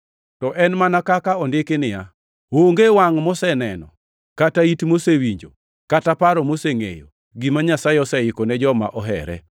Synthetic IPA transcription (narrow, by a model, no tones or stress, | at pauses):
tɔʔɛnmanakakaɔndɪkenɪja | oŋɡewaŋmɔsɛnɛnɔ̰ | kataitmosewiɲd͡ʒo̰ | katapaɾɔmoseŋḛjo̰ | ɡimaɲasaeɔsɛɪkɔnɛd͡ʒɔma̰ʔɔɦɛ̰ɾɛ̰